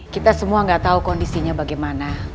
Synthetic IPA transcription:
kit̪asəmuaŋɡaʔt̪aukɔndisiɲabaɡajmana

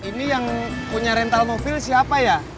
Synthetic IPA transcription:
inijaŋpuɲaɾɛnt̪almobilsiapaja

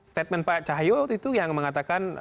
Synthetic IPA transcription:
st̪et̪̚mɛnpat͡ʃaɦjoit̪ujaŋməŋat̪akan

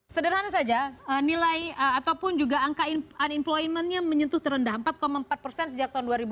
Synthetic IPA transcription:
sədərɦanasad͡ʒaənilajəat̪awpʊnd͡ʒuɡaːŋkaianimplojmɛnɲaməɲənt̪ʊht̪əɾəndaɦəmpat̪̚komaəmpat̪̚pərsɛnsəd͡ʒak̚t̪aunduaɾibu

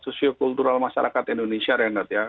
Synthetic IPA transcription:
sosiokult̪uɾalmaʃaɾakat̪indonesiaɾɛnat̪ja

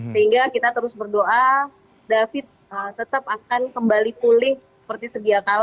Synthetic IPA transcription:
səɦiŋɡakit̪at̪əɾʊsbərdoʔa | dafɪt̪̚ət̪ət̪apakankəmbalipulɪhsə̥pərt̪isəbiakal

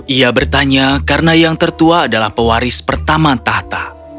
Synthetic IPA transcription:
iabərt̪aɲakaɾənajaŋt̪ərt̪uaːdalahpəwaɾɪspərt̪amat̪aht̪a

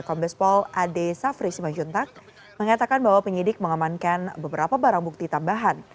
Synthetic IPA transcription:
kɔmbɛspɔlʔadesafɾisimaɲd͡ʒunt̪ak̚ | məŋat̪akanbaɦwapəɲidɪk̚məŋamankanbəbəɾapabaɾaŋbuk̚t̪it̪ambaɦan

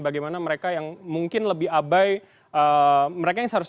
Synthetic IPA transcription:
baɡajmanaməɾekajaŋmuŋkɪnləbɪɦabaj | ʔəməɾekajaŋsəɦaɾʊs

